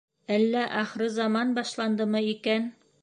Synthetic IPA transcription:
ælːæʔɑχɾɘzɑmɑnbɑʃlˠɑnd̪ɤmɤikæn

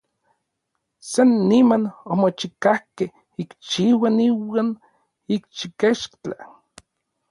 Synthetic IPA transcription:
sanːimanomot͡ʃikahkeh | ikt͡ʃiwaniwan | ikt͡ʃikeʃkt͡ɬa̰

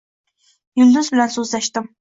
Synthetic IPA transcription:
jyld̪uzbɪlɛnsøzlɛʃt̪ɪm

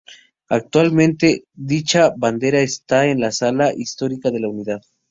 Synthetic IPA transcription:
ak̚t̪walmẽnt̪e̞ðit͡ʃaβand̪e̞ɾaest̪aenlasalaʔist̪o̞ɾikaðe̞launiðað

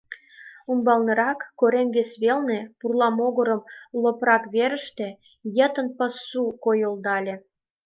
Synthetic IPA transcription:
umbɑlnɤ̆ɾɑkːoɾemβesβelnepurlɑmoɣə̆ɾə̆mloprɑkβeɾə̆ʃt̪e | jət̪ə̆npə̆sːukojold̪ɑlʲĕ

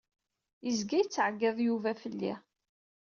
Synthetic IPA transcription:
jəzɡæjət͡sːʕɡːɪðˤjuvæfəlːḭ

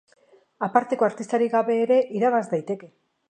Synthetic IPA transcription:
apaɾt̪e̞ko̞aɾt̪ist̪aɾiɣaβe̞ːɾe̞ʔiɾaβ̞azd̪ajt̪e̞ke̞

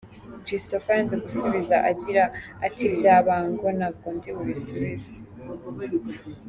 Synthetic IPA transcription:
kɾistofanzeɡusuβizaʔaɟiɾaːtibɟaːβaːŋɡonab̚ɡondiβuβisuβizi̥

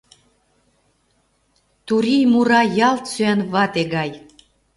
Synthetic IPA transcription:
t̪uɾijmuɾɑjɑlt̪søænβɑt̪eɣɑj

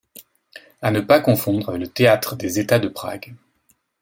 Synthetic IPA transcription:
anəpakɔ̃fɔ̃d̪ʁələt̪eat̪χəd̪ezet̪ad̪əpχa̰ɡ

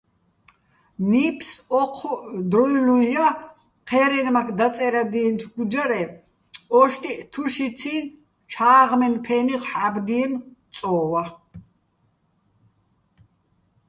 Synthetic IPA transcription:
niːpʰsɔqʰd̪ɾɔjlũja | qʰɛːɾɛnmakʰd̪at͡s̪ʼɛɾad̪iːnt̪ʰɡud͡ʒaɾɛ | ɔʃt̪ʼit̪ʰuʃiin | t͡ʃʰaːʁmɛnpʰɛniχħabd̪imt͡s̪ʼɔːwa

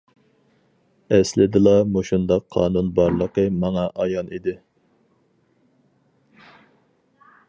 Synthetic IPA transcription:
ɛslɪd̪ɨlˠɑmuʃund̪ɑqʰːɑ̰ːnunbɑɾlˠəqəmɑŋɑʔɑjɑnʔid̪ɪ

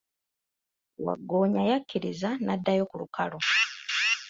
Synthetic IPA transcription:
wa̰ɡːo̞ːɲajakːiɾizanadːajo̞kulukalo

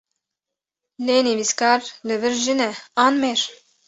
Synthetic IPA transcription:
leneviskɑɾlɨvɨɾʒinɛɑnmeɾ

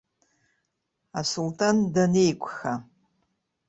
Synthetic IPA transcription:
asultʰandane̞jkʷʰʼxa

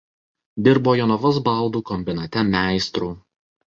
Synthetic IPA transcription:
d̪ʲɪɾboːjɔnɔʋɔsbɑˑlˠd̪uːkɔmʲbʲɪnɐt̪ʲɛmʲæˑɪst̪ɾuː

